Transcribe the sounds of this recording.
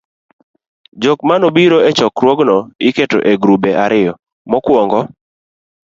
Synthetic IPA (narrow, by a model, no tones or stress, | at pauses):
d͡ʒɔk̚manobiɾoet͡ʃɔkɾwɔɡnɔɪketo̰ʔeɡɾubeʔaɾɪjɔ | mɔkwɔŋɡɔ